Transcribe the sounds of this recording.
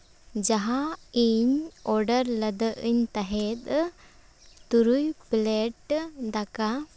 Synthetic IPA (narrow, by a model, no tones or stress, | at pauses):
d͡ʒaɦaiɲɔɾɖəɾləd̪əʔəɲt̪aɦɛt̪ | t̪uɾujplɛʈd̪aka